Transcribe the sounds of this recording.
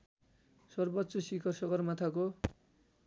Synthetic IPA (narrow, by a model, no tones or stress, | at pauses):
sʌrbʌtːsʌsikʰʌrsʌɡʌrmat̪ʰako